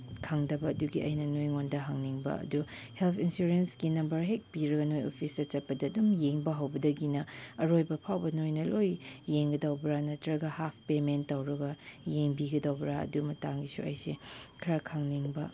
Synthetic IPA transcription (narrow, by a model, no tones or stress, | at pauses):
kʰaŋdɐbɐɐduɡiɐ̰jnɐnojŋondɐɦaŋniŋbɐ̰ɐ̰duhelpʰinsuɾensɡinɐmbɐɾɦek̚piɾɐɡɐnojo̰pʰisdɐt͡ʃɐt̚pɐdɐːdumjeŋbɐɦɐwbɐdɐɡinɐɐɾojbɐpʰawbɐnojnɐlojːeŋɡɐdɐwbɾanɐtɾɐɡɐhapʰpementtːɐwɾɐɡɐjeŋbiɡɐdɐwbɾaɐ̰dumɐtaŋɡisṵɐ̰jsekʰɐɾakʰaŋniŋbɐ